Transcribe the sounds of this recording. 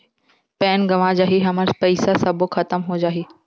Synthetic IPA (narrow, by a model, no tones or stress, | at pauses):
pɛːnɡɐʋãd͡ʑaːɦiɦɐməɾspɐɪsasɐbʱoxɐt̪əmɦod͡ʑaːɦeː